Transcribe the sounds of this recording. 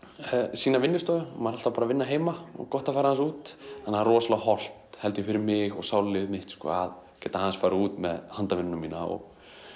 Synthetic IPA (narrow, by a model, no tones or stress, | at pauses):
siːnavɪnːʏst̪œːðʏmaɾhalt̪apaːɾavɪnːaɦeːjmaɔ̰ɣkɔht̪afaːɾahans̬uːt̪hanːharɔːslahɔl̥t̪hɛlt̪jɪfɪɾɪɾmɪɣɔɣsaːwlɪmɪht̪skɔ̰að | cɛːt̪ahanspaːɾauːt̪mɛðhant̪avɪnːʏnamiːna̰ɔ̰ɣ